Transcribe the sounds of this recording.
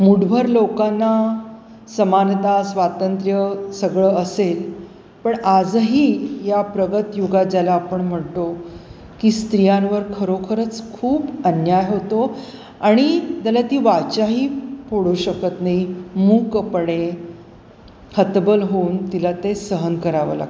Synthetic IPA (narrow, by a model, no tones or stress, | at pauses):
muɽbʱəɾlokanːa | səmant̪asʋat̪ənt̪ɾjəsəɡɭəəsel | pəɳad͡zɦiːjapɾəɡət̪juɡad͡ʑalaːpəɳm̤əɳt̪o | kiːst̪ɾijãnʋəɾkʰəɾokʰəɾət͡skʰuːbənjajɦot̪o | aɽ̃it̪alat̪iːʋat͡ɕaɦiːpoɽuɕəkət̪naɦimuːkəpəɳe | hət̪bəlɦount̪ilat̪esəɦənkəɾaʋə̰la̰ɡ